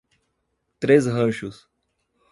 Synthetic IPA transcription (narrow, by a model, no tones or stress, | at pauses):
t̪ɾesɦɐ̃ʃʊs